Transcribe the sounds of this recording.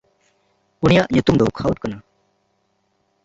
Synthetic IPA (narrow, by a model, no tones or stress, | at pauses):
unijaʔɲut̪umd̪ɔkʰawʈ̚kana